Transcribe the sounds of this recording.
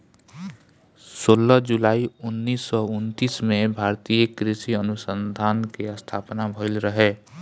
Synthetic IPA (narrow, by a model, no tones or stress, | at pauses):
soːləɦd͡ʒulaːiʊnːiːsːɔʊnt̪iːsmẽbʱaːɾt̪ijəkɾɪsiənʊsənd̪ʱaːnkeəst̪ʰaːpnabʱəɪlɾəɦeː